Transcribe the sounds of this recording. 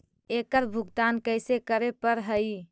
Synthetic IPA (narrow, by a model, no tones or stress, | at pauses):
ekəɾbʱuɡt̪ankəɪsekəɾepəɾɦəj